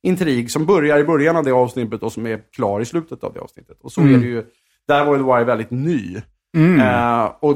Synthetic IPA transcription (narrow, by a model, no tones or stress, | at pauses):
ʔɪnt̪ʰɾiːɡsɔmbœɾjaɾɪbœɾjanavd̪ɛːɑːvsnɪt̪ːət̪ɔsɔmæɾkʰlɑːɾɪslʉ̟ːt̪ət̪a̰vd̪ɛ̰ɑ̰ːvsnɪ̰t̪ːə̥t̪ɔsɔɛɖɛjɵ | d̪̥æɾvajd̪ɛwajvɛld̪ɪt̪nyː | ɔ